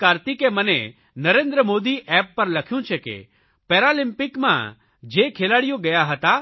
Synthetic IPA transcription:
kaːɾt̪ikemənḛ | nəɾẽːnd̪ɾəmoːd̪iʔɛːpːəɾlɐkʰjũt͡ʃʰekḛ | pɛːɾalɪ̃mpɪkmã̰ | d͡ʒeːkʰelaːɽjõɡɐjaɦət̪a

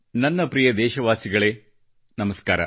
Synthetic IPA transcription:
nɐnːɐpɾijɐd̪ɛːʃɐʋaːsiɡɐɭeː | nɐmɐskaːɾɐ̰

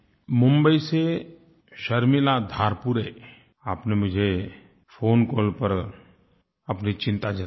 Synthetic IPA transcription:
mʊ̃mbəise | ʃɐɾmɪlad̪ʱaːɾpuɾe | aːpnemʊd͡ʒʱe | pʰoːnkoːlpəɾ | ɐpnit͡ʃɪ̃nt̪ad͡ʒa

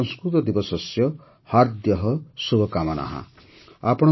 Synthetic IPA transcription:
ɔŋskɾut̪ɔd̪ibɔsɔsjɔ | haɾd̪jɔɦɔsubɔkamana̰ɦã̰ | apɔɽ̃ɔ

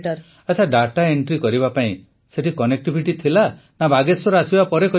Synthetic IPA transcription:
ʈɔɾ | at͡ʃʰaɖaʈaeɳʈɾikɔɾibapaĩ | seʈikɔnek̚ʈibʱiʈit̪ʰila | nabaɡesɔɾasibapɔɾekɔ

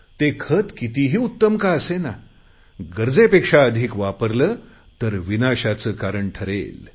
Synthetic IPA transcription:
t̪ekʰət̪kit̪iɦiːut̪ːəmkaəsena | ɡəɾd͡zepekʂaəd̪ʱiːkʋapəɾləː | t̪əɾʋinaɕat͡səːkaɾəɳʈʰəɾḛl

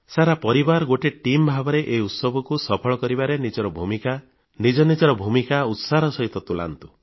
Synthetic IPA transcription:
saɾapɔɾibaɾɔɡoʈeʈimbʱabɔɾeʔeut̪sɔbɔkusɔpʰɔɭɔkɔɾibaɾenid͡ʒɔɾɔbʱumika | nid͡ʒɔnid͡ʒɔɾɔbʱumikaut̪saɾɔsɔɦit̪ɔt̪ula̰nt̪u

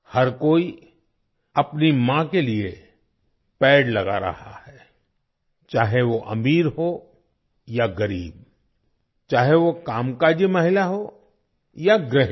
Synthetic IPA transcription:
hɐɾkoːi | ɐpnimãkelie | pɛːɽlɐɡa̰ɾɐ̰ɦa̰hɛː | t͡ʃaːɦeʋoʔɐ̰miːɾɦo | jaɡɐɾiːb̚ | t͡ʃaːɦeʋokaːmkad͡ʒemɐɦɪlaɦo | jaɡɾɪɦ

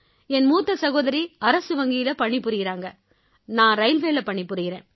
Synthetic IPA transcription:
ɛnmuːt̪ːɐsɐɣoːðɐɾiɐɾɐsɯʋɐŋɡɪjɪlɐpɐɳːɪpːɯɾɯɣɪɾaːŋɡɐ | nãːɾɐɪlʋeːlɐpɐɳːɪpːɯɾɯɣɪɾẽːn

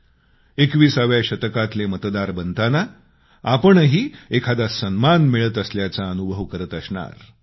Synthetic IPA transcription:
ekʋiːsaʋjaɕət̪kat̪lemət̪d̪aɾbənt̪ana | apəɳɦiːekʰad̪asənmanmiɭət̪əsljat͡saənubʱəʋkəɾət̪əsɳa̰ɾ

